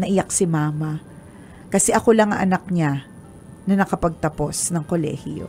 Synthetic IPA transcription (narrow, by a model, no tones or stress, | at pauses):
nɐʔɪjak̚sɪmaːmɐ | kɐsɛʔɐko̞lɐŋɐʔɐnak̚ɲa | nɐnɐkɐpɐɡ̚t̪ɐpo̞snɐŋko̞lɛ̰hɪo̞̰